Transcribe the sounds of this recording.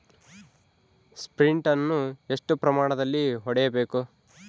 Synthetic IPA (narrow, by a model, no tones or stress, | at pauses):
spɾiɳʈɐnːue̞ʂʈupɾɐmaːɳɐd̪ɐlːiɦɔɽɛjɐbe̞ːku